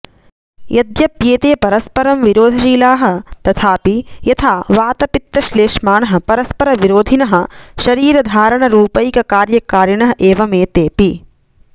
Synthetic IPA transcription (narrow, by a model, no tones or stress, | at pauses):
jɐd̪jɐpjeːt̪eːpɐɾɐspɐɾɐmʋiɾoːd̪ʱɐʃiːlaːɦɐ̆t̪ɐt̪ʰaːpijɐt̪ʰaːʋaːt̪ɐpit̪ːɐʃleːʃmaːnɐɦɐ̆pɐɾɐspɐɾɐʋiɾoːd̪ʱinɐɦɐ̆ʃɐɾiːɾɐd̪ʱaːɾɐɳɐɾuːpɐjikɐkaːɾjɐkaːɾjɐɳɐɦɐʔeːʋɐmeːt̪eːpi